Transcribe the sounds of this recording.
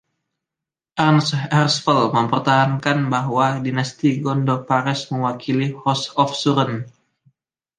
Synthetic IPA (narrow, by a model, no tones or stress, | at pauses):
ʔarnsɛrsfəlməmpərt̪aɦankanbaɦwadinast̪iɡɔndɔrpaɾɛsməŋwakʰilihɔsɔfsuɾən